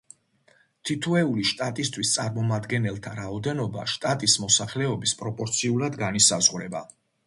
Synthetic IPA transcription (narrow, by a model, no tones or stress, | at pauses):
t̪ʰit̪ʰuɛuliʃt̪ʼat̪ʼist̪ʰwist̪sʼaɾmɔmad̪ɡɛnɛlˠt̪ʰaɾaɔd̪ɛnɔba̰ʃt̪ʼat̪ʼismɔsaχlɛɔbispʼɾɔpʼɔɾt̪sʰiulˠad̪ɡanisazʁɾɛba